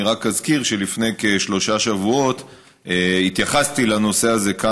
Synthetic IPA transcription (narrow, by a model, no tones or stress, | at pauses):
iʁakazkiʁʃe̞lifne̞jkeʃlo̞ʃaʃavuo̞t̪ | eit̪jaχast̪ilano̞se̞aze̞ka